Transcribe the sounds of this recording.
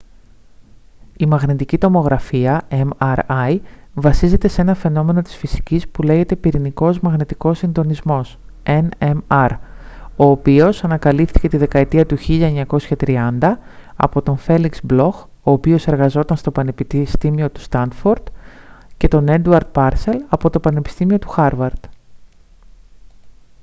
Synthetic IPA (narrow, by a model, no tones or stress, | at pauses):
imɐɣnit̪icit̪o̞mo̞ɣɾɐfiɐemɐɾɐjvɐsize̞t̪e̞se̞nɐfe̞no̞me̞no̞t̪i̥sfisi̥cispule̞ʝe̞t̪e̞piɾiniko̞zmɐɣnit̪iko̞sːind̪o̞nizmo̞s | enemɐɾo̞ːpio̞sɐnɐkɐlift̪i̥cet̪iðe̞kɐet̪iɐt̪uçiʎɐeɲɐko̞sçɐt̪ɾiɐnd̪ɐɐ̰po̞t̪o̞ɱfe̞liksblo̞x | o̞ːpio̞se̞ɾɣɐzo̞t̪ɐnst̪o̞pɐnepist̪imio̞t̪u̥st̪ɐnd̪fo̞ɾd̪̥ce̞t̪o̞ne̞nd̪uɐɾd̪̚pɐɾse̞lɐpo̞t̪o̞pɐne̞pi̥st̪imio̞t̪u̥xɐɾvɐɾd̪̥